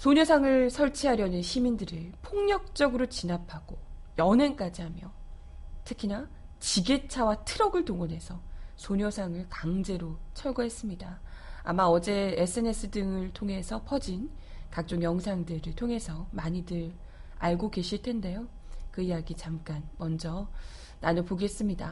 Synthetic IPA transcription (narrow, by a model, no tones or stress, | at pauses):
sʰoɲʌsʰaŋɯɭsʰʌɭt͡ɕʰiɦaɾjʌnɯnɕʰimindɯɾɯɭpʰoŋɲʌk̚t͡ɕ͈ʌɡɯɾot͡ɕinapʰaɡ̥ojʌnenk͈ad͡ʑiɦhamjʌ | tʰɯkʰina | t͡ɕiɡe̞t͡ɕʰawatʰɯɾʌɡɯɭtoŋʌne̞sʰʌsʰoɲʌsʰaŋɯɭkaŋd͡ʑe̞ɾot͡ɕʰʌɭɡʌɦe̞s͈ɯmɲidaa̰maʌd͡ʑe̞es͈ʰɯe̞ne̞s͈ʰɯdɯŋɯɭtʰoŋɦe̞sʰʌpʰʌd͡ʑin | kak̚t͡ɕ͈oŋjʌŋsʰaŋdɯɾɯɭtʰoŋe̞sʰʌmaɲidɯɾ | aɭɡoɡe̞ɕʰiɭtʰe̞nde̞jo | kɯijaɡit͡ɕamk͈anmʌnd͡ʑʌ | nanɯpoɡe̞s͈ɯmɲida